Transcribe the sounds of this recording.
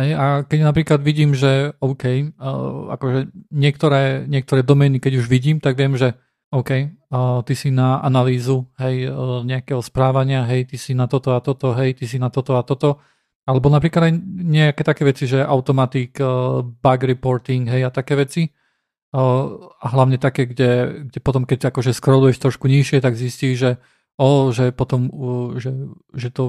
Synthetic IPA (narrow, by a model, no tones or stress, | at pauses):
ɦɛjakɛɟnapɾiːklad̪ʋiɟiːmʒɛɔʊkɛj | a̰kɔʒɛɲɪɛkt̪ɔɾɛːɲɪɛk̚t̪ɔɾɛːd̪ɔmɛːnikɛɟuʒʋiɟiːmt̪aɡʋɪɛmʒɛ | ɔʊkɛjt̪isinaʔa̰naliːzuɦɛjɲɛakɛɦɔspɾaːʋaɲɪaɦɛjt̪isinat̪ɔt̪ɔat̪ɔt̪ɔɦɛjt̪isinat̪ɔt̪ɔat̪ɔt̪ɔ | alɛbɔnapɾiklad̪ajɲɛakɛːt̪akɛːʋɛt͡siʒɛʔaʊt̪ɔmat̪iɡbaɡɾipɔɾt̪iŋɡɦɛjat̪akɛːʋɛt͡si | aɦlaʊɲɛt̪akɛːɡɟɛɡɟɛpɔt̪ɔmkɛc̚akɔʒɛskɾɔlujɛʃt̪ɾɔʃkuɲiʃɪɛt̪aɡzisciːʒʒɛ | ɔːʒɛpɔt̪ɔmʒɛ | ʒɛt̪ɔ